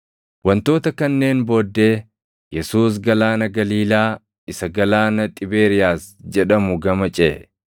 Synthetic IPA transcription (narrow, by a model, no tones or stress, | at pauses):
wɐnt̪o̞ːt̪ɐkɐnːe̞ːnbo̞ːd̪ːe̞ː | jɛsuːs̬ɡɐlaːnɐɡɐliːlaː | ɪsɐɡɐlaːnɐt̪ʼɪbe̞ːɾɪjaːsd͡ʒɛᶑɐmʊɡɐmɐt͡ʃʼeː